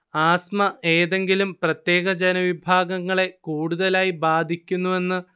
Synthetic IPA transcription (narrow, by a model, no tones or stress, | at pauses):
aːsmɐʔe̞ːðe̞ŋɡilumprɐt̪je̞ːɣɐd͡ʑɐnɐʋibʱaːɡɐŋːɐɭe̞kuːɽuðɐlaːjibaːd̪ʱikʲːunːue̞nːɨ